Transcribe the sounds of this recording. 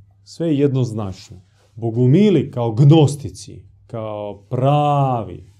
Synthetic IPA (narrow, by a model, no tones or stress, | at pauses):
sʋejejed̪noznat͡ʃno | boɡumilikaoɡnost̪it̪sḭ | kaopɾaːʋḭ